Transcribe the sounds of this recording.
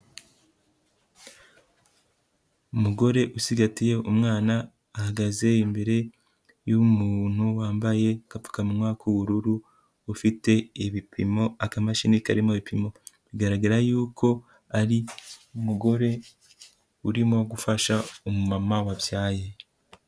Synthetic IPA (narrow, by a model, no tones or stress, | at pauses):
umuɡo̞ɾe̞ʔusiɡatije̞umŋaːnaː | haɡaze̞imbe̞ɾe̞ | jumuːn̥huwaːmbaje̞kapu̥kamumŋaːkuβuɾuɾuː | fite̞iβipʰimo̞akamaʃinikaɾimoβipimo̞βiɡaɾaɡaɾajuːkʰo̞ | aɾiumuɡo̞ɾe̞ | uɾimo̞ɡufaʃaomumamawaβjaːje̞